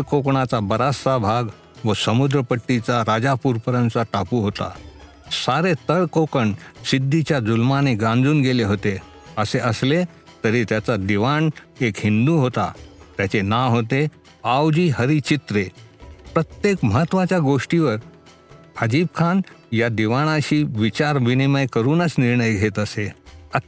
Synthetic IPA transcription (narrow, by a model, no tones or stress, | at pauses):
əɭkokɳat͡sabəɾasabʱaɡ | ʋəsəmud̪ɾəpəʈːit͡saɾad͡zapuːɾpəɾãnt͡saʈapuːɦot̪a̰ | saɾet̪əɭkokəɳsid̪ʱːit͡ɕjad͡zulmaneɡãnd͡zuːnɡeleɦot̪e | əseʔəsle | t̪əɾiːt̪jat͡sad̪iʋaɳekɦind̪uɦot̪a̰t̪jat͡senaɦot̪e | awd͡ʑiːɦəɾit͡ɕit̪ɾepɾət̪jekməɦət̪ːʋat͡ɕjaɡoʂʈiʋəɾ | pʰad͡ʑiːb̚kʰanjad̪iʋaɽ̃aɕiːʋit͡ɕaɾʋiniməjkəɾuːnət͡sniɾɳəjɡʱet̪əseə